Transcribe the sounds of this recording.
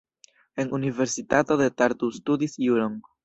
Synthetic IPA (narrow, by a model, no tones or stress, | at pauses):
e̞nunive̞ɾsitato̞d̪e̞taɾtustud̪isjuɾoŋɡ